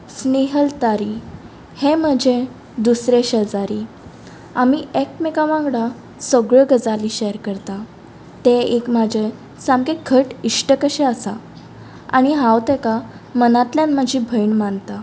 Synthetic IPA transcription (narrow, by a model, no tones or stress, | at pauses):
sniɦəlt̪aɾi | hẽm̤əd͡ʑʱẽ | d̪usɾeɕəd͡zaɾi | amiek̚mekaʋãŋɡɽa | səɡɭəɡəd͡zaliɕɛɾkəɾt̪a | t̪eekmad͡ʑʱe | sãmɡekʰəʈiʂʈəkəɕɛəsa̰ | a̰ɽ̃iɦãwt̪eka | mənat̪ljãnːəd͡ʑʱibʱəjɳmant̪a